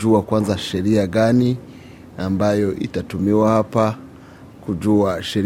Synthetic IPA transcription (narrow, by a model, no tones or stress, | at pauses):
uakwanzaʃɛɾiaɡani | ambajɔʔḭtatumiwahapa | kuʄuaʃɛɾ